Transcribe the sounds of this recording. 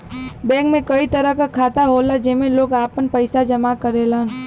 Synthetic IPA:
bɛ̃ːkmẽkɐit̪əɾəkakʰaːt̪aɦoːlad͡ʒɪmẽloːɡaːpənpəɪsad͡ʒɐmakəɾelãn

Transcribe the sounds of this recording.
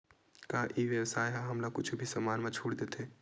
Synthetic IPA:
kaːʔiʋjəwsaːjɦãɦɐmlakʊt͡ʃʰubʱisɐmaːnmãt͡ʃʰuːɽd̪eːt̪eː

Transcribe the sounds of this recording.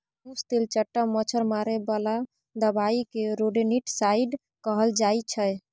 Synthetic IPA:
ũst̪elt͡ʃəʈːəmət͡ʃʰəɾmaɾebəla | d̪əbaikeɾoɖeniʈsaiɖ | kəɦəld͡ʒajt͡ʃʰəj

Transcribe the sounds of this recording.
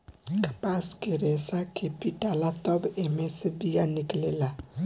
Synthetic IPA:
kpaskeɾesakepiʈalat̪ɔbemesebijaniklela

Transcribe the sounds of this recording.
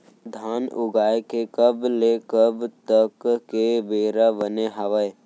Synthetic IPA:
d̪ʱaːnʊɡaːekekəblekəbt̪əkːebeːɾabəneɦəʋəe

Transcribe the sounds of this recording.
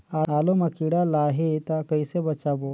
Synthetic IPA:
aːaːlomɐkiːɽalaːɦet̪akɐisebɐt͡ʃaːbo

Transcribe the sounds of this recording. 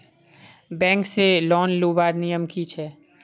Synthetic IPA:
bɛ̃ːŋkselɔːnloːbaːɾnijəmkit͡ʃʰɛː

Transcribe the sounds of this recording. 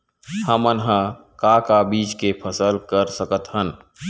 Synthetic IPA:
həmənɦə̃ | kakabiːt͡ʃkepʰəsəlkəɾsəkət̪ɦən

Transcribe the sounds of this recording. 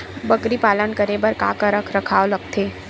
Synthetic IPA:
bɐkɾipaːlənkɐɾebɐɾka̰ːkəɾəkʰɾɐkʰaːolɐɡt̪ʰeː

